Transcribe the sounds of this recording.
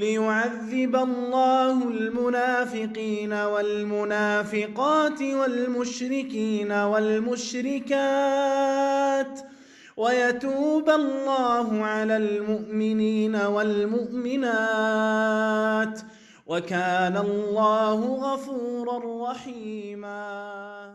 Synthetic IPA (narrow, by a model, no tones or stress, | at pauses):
lɪjʊʕaðːɪbalˤːɑːhʊlmʊnaːfɪqiːnawalmʊnaːfɪqɑːt̪ɪwalmʊʃɾɪkiːnawalmʊʃɾɪkaː | t̪ | wajat̪uːbalːaːɦʊʕalaːlmʊʔmɪniːnawalmʊʔmɪnaː | t̪ | wakaːnallːɑːhʊɣafuːɾˤɑrˤːɑħiːmaː